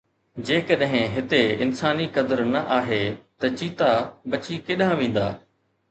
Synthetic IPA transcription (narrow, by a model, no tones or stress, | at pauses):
d͡ʑeːkɐɗɦɪ̃ɦɪt̪eɪnsaːnikɐd̪əɾnɐʔaːɦet̪ɐt͡ɕiːt̪abɐt͡ɕikeːɗãʋẽːn̆d̪aː